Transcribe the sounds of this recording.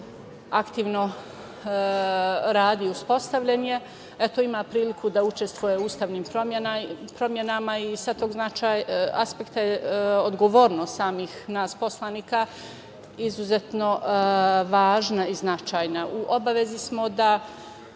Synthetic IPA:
akt̪iːʋno̞ | ɾaːd̪iuspo̞st̪aʋʎenje | et̪oimaːpɾiːlikʰud̪aut͡ʃest̪ʋujeuːst̪aːʋniːmpɾojenapɾo̞mjenamaisat̪oːɡznat͡ʃaːja̰spekt̪ajeod̪ɡoʋo̞ːɾnost̪saːmiːxnaːspo̞slˠaniːka | izuzet̪no̞ | ʋaːʒnaiznat͡ʃaːjnauʔobaʋe̞zismo̞d̪a

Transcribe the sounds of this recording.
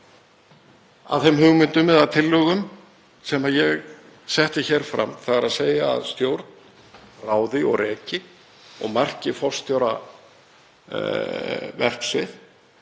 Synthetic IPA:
a̰ðθɛmhʏɣmɪnt̪ʏmvɛðaðt̪ʰɪlːœɣʏm | sɛmajɛɣ | sɛht̪ɪçɛɾ̥fɾa̰mθaɣaɾaðseːja̰ːðst̪jowɾt̪n | raːwðɪɔ̰ɣrɛːcɪ | ɔ̰ɣmar̥cɪfɔ̥st̪ʰjowɾa | vɛr̥ksɪθ

